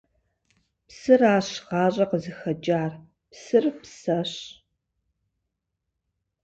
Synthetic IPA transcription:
psɨraːɕʁɑːɕʼɐqəzɨxɐd͡ʒʼaːr | psɨrpsɐɕ

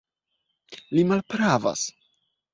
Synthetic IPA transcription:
limalpɾava̰s

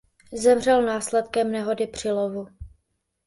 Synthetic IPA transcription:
zɛmr̝ɛlnaːslɛt̪kɛmnɛɦo̞dɪpr̝̥ɪlovu

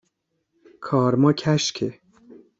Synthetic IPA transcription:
kʰɒːɾmɒːcʰæʃkʰe

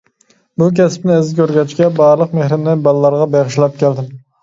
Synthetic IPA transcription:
buk̬ʲʰɛsɪ̥pnɪɪzɪkʲʰøɾɡʲɛt͡ʃkʲɛbɑːɾlˠəqmehɾɪmnɪbɑlˠlˠɑɾʁɑbeʁɪʃlˠɛp̚kʲʰɛld̪ɪm

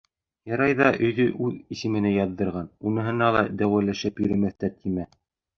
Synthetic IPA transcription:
jɑɾɑjðɑʔɵ̆jðɵʔʉðisɘ̆mɘ̆nɘjɑðːɤ̆ɾʁɑnunɤ̆ɦɤ̆nɑlˠɑ̰d̪æwælæʃɘpjɵ̆ɾɘ̆mæθt̪æt̪ʰimæ

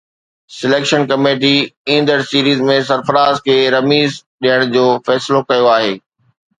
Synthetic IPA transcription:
sɪleːkʃənkɐmeːʈ̬iĩːnd̪əɾsiːɾiːzmẽsɐɾfəɾaːzkʰeːɾɐmiːzɗiəɽ̃d͡ʑoːfɛːsɪlokɐjoaːɦeː

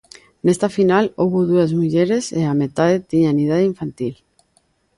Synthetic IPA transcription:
nest̪afinalowβoðuazmuʎeɾeseamet̪aðet̪iɲanið̞aðeiɱfant̪il

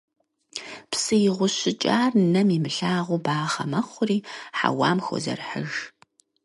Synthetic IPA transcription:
psɨjɪʁʷʊɕɪt͡ʃʼaːrnɐmimɨɬaːʁʷʊbaːχɐ̰mɐχʷʊriːħa̰waːmxo̰zɐ̰rħəʒ

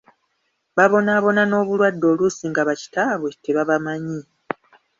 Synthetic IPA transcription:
βaβo̞naːβo̞nano̞ːβulwadːo̞ːlusiŋɡaβaci̥taːβweteβaβamaɲi

